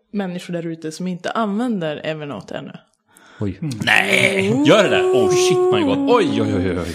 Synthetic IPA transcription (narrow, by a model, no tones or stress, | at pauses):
mɛnːɪɧʊɖæɾʉ̟ːt̪əsɔmɪnt̪ə̰ʔanvɛnd̪əɾɛːvəɳɔ̰t̪ʰːɛ̰nːɵ̰ | ɔjnɛ̰jœːɖɛd̪æ̰ːɾɔʃɪt̪ːmajɡɔt̪ɔjɔjɔjɔjɔ̰j